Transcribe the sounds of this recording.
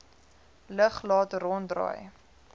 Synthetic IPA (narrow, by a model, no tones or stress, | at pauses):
ləχlɑːtrɔndrɑ̰ːj